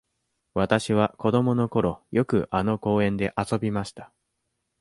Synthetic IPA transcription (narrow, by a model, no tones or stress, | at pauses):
βat̪aɕiβ̞ako̞d̪o̞mo̞no̞ko̞ɾo̞jo̞kɯ̟ʔano̞ko̞ːẽ̞nd̪e̞ʔaso̞bʲimaɕi̥t̪ḁ